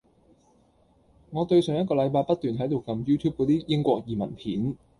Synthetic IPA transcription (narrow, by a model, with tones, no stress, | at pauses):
ŋɔː˨˧t̪ɵ˧ɥsœː˨˩ŋjɐ˥t̚kɔː˧lɐ˨˧jpaː˧jpɐ˥t̚t̪yː˨nɦɐ˨˥jt̪o˨wkɐ˧mjuː˥t̪ʰuː˥p̚kɔː˨˧˥t̪iː˥jɪ˥ŋkʷɔː˧k̚jiː˨˩mɐ̰˨˩npʰiː˨˥n